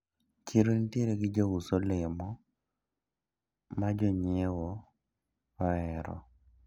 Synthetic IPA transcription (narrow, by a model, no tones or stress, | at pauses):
t͡ʃiɾontjeɾeɡɪd͡ʒawusolɪmɔ | mad͡ʒɔɲewɔ | ɔɛɾɔ̰